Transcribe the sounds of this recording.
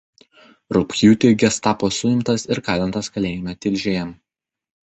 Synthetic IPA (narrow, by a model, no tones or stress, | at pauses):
ɾʊpʲxʲjuːt̪ʲeːɡʲɛst̪ɑːpoːsʊɪmt̪ɐsɪɾkɑːlʲɛnt̪ɐskɐlʲeːjɪmʲɛt̪ʲɪlʲˑʒʲejɛm